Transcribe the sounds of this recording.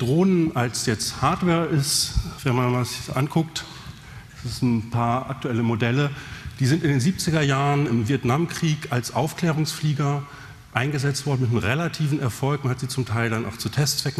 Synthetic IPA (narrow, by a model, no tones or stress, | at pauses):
d̥ʁoːnənʔalsjɛt͡sthaɐtv̥ɛːɐʔɪstvɛnmanmazɪçʔa̰nkʰʊkt | ɛsɪsn̩pʰaːɐʔa̰k̚tuɛləmodɛləd̥iːzɪntɪndeːnziːp̚t͡sɪɡɐjaːʁənɪmviɐtnamkʁ̥iːkalsʔaʊfkl̥ɛːʁʊŋsfliːɡɐ | ʔaɪnɡəzɛt͡stv̥ɔɐdn̩mɪtnəʁelatʰiːvn̩ɛɐfɔlkmanhatz̥iːt͡sʊmtʰaɪldana̰ʊxt͡sutʰɛst͡sv̥ɛkŋ̩